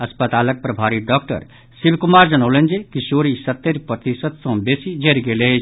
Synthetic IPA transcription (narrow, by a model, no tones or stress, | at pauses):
ɐspət̪aːlək̚pɾɐbʱaːɾiɖɔːk̚ʈə̰ɾ | sibʱkumaːɾd͡ʒɐnoːlend͡ʒekiʃoːɾisɐt̪ːeɾpɾət̪isəd̪sɔ̃beːsid͡ʒeɾɡelet͡ʃʰ